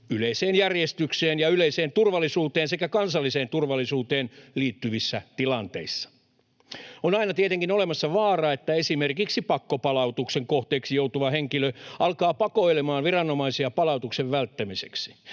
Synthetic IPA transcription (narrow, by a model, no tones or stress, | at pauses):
yleiseːnjærjest̪ykseːnjɑyleiseːnt̪urʋɑlːˑisuːt̪eːnsekækɑnsɑlːiseːnt̪urʋɑlːˑisuːt̪eːnliːt̪ːyʋisːæt̪ilɑnt̪ḛisːɑ̥ | onɑinɑt̪iet̪eŋkinolemɑsːɑʋɑːrɑet̪ːæesimerkiksipɑkːopɑlɑut̪ukseŋkoht̪eːksijout̪uʋɑheŋkiløɑlkɑːpɑkoilemɑːnʋirɑnːomɑisiɑpɑlɑut̪ukseʋʋælt̪ːæmiseksi̥